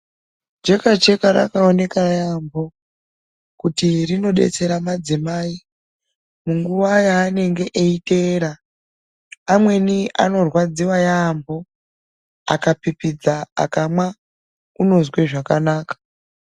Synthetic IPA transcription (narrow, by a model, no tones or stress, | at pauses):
d͡ʒe̞kat͡ʃe̞kaɾa̰kaone̞kajambo̞ | kutirino̞ɗe̞̰t͡se̞ɾamad͡zimaːi | muŋɡuʋajaːne̞ŋɡe̞ʔeite̞ːɾa | mwe̞nia̰no̞rwad͡ziwajaːmbo̞ | a̰kapipid͡zaa̰kamwa | uno̞zwe̞ʐakanaːkḁ